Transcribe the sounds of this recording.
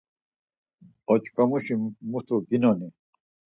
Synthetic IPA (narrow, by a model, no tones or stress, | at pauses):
ot͡ɕkɐmuɕimut̪ʰoɡinone